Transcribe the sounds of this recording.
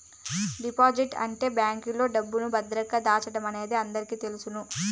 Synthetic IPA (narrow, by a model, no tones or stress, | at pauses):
ɖipaːd͡ʒiʈɐ̰ɳʈe̞ːbjaːŋkilo̞ːɖɐbːunubɐd̪ɾɐkːɐd̪aːt͡ʃɐʈɐmɐne̞ːd̪eɐnd̪ɐɾikiːt̪e̞lusunu